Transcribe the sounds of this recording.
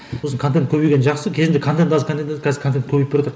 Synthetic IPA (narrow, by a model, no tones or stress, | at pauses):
osəɴkʰot̪̬ent̪kʰɵbejɡʲenʒɑqsəkʲʰe̞zɪnd̪ekʰont̪ent̪ɑzəkʰonenzkʰʲæzɪɾkʰoenkʰɵbejpbeɾwot̪əɾ